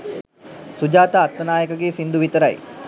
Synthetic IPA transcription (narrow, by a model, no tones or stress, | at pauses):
sud͡ʒaːt̪əːt̪ːənaːjəkəɡeːsind̪uʋit̪əɾɐ̰j